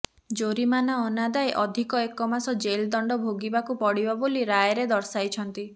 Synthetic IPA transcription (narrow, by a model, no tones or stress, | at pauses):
d͡ʒoɾimanaɔnad̪aeʔɔd̪ʱikɔekɔmasɔd͡ʒeld̪ɔɳɖɔbʱoɡibakupɔɽibaboliɾajɾed̪ɔɾsajt͡ʃʰɔnt̪i